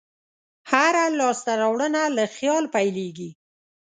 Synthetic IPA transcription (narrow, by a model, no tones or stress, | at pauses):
haɾalɑst̪aɾawɽənaləxjɑlpajleɡi